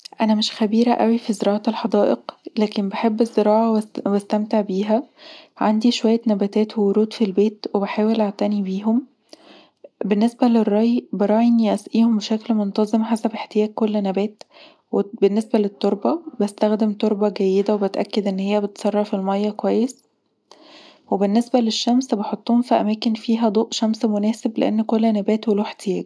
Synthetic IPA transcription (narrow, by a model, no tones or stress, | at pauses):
ʔænæmeʃxæbiːɾæʔæwifizeɾɑːʕɑt̪elħɑd̪ˤɑːʔeqlæːkembeħebːezːeɾɑːʕɑwwæst̪æmt̪eʕbiːɦæʕand̪iʃowæjːænæbæːt̪æːt̪wewoɾuːd̪filbeːt̪webeħaːwelʔaʕt̪ænibiːɦom | benːesbælerˤːɑjbeɾˤɑːʕiʔenːiʔæsʔiːhombʃæklmont̪ɑzˤemħasæbeħt̪ejæːkːolːnæbæːt̪ | webenːesbælet̪ˤːoɾˤbɑbest̪æxd̪emt̪oɾˤbɑɡæjːed̪æwebet̪ʔæ̰kːed̪ʔenːhejːæbet̪sˤɑrˤːɑfilmɑjːɑkowæjːes | webenːesbæleʃːæmsbeħot̪ˤːuːhːmfiʔæ̰mæːkenfiːɦæd̪ˤoːʔʃæmsmonæːseblḛʔḛnːkolːhænæbæːt̪welæweħt̪ejæːɡ